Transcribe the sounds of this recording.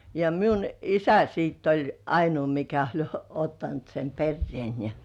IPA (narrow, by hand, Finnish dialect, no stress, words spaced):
jɑ miun isæ sitː olʲ ɑinuː mikæ olʲ otːɑnt sem perːĭeˑn jɑ